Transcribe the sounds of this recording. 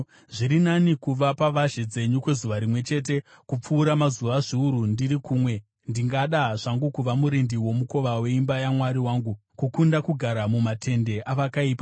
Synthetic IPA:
ʐiɾinanikuʋapaʋaʒed͡ze̞ɲukwe̞zuʋaɾimwe̞t͡ʃe̞t̬e̞ | kup͡fuːɾamazuʋaʐiuɾundirikuːmwe̞ | ndiŋɡaɗaʐ̥aŋɡukuʋamuɾindiwo̞muko̞ʋawe̞imbajamwaɾiwaːŋɡukukundakuɡʱaɾamumatʰe̞nde̞ʔaʋakaiːpa

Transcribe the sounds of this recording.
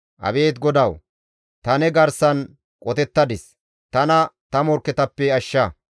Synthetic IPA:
ʔɐ̰beːt̪ɡɔd̪ɐw | t̪ɐnɛɡɐɾsɐn | kʼɔt̪ɛt̪ːɐd̪ɪs | t̪ɐnɐt̪ɐmɔɾkːɛt̪ɐpːɛɐʃːɐ

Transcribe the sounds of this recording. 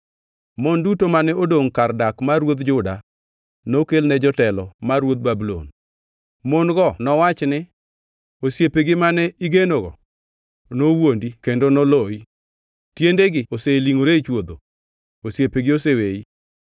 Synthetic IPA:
mondutomanɛodoŋkardakmaɾwot̪d͡ʒʊda | nokelnɛd͡ʒɔtɛlɔmarwot̪̚babulo̰n | monɡɔnɔwat͡ʃnɪ | osjepeɡɪmanɛiɡenoɡɔ̰ | nowondikendonoloi | tjendeɡɪoseliŋoɾet͡ʃwod̪o | osjepeɡɪosewei

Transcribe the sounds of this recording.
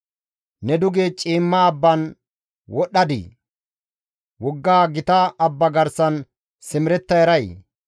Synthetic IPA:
nɛd̪ʊɡeːt͡ʃʼiːmːaːbːɐn | wɔɗːɐd̪ḭ | wɔɡːaːɡɪt̪ɐːbːɐɡɐɾsɐn | sɪmɪɾɛt̪ːɐjɛɾɐj

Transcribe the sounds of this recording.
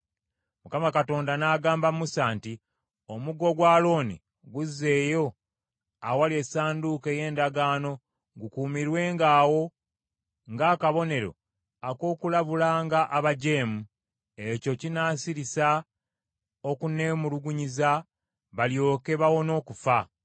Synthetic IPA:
mukamakato̞ːndanaːɡaːmbammusaːnti | o̞muɡo̞ɡwaːlo̞ːnḭ | ɡuzːe̞ːjo̞ | awalie̞saːnduːke̞ːje̞ːndaɡaːno̞ | ɡukuːmiɾwe̞ːŋɡaːwo̞ | ŋɡaːkaβo̞ne̞ɾo̞̰ | ako̞ːkulaβulaːŋɡaʔaβaɟeːmu | eco̞cinaːsiɾisa | o̞kune̞ːmuluɡuɲiza | βaljo̞ːke̞βawo̞no̞ːkufa

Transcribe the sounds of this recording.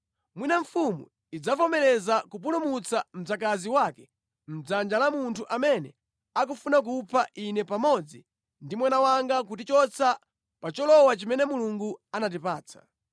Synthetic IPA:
mwinaɱ̩fumu | id͡zafɔmɛlɛzakup̬ulumut͡sam̩d͡zak̬aziwakɛ | m̩d͡zand͡ʒalamuntʰuʔamɛnɛ | ak̬ufunak̬upʰaʔinɛpamɔd͡zi | ndimwanawaŋɡak̬utit͡ʃɔt͡sʰa | pat͡ʃɔlɔwat͡ʃimɛnɛmuluŋɡuanat̬ipaːt͡sʰḁ̰

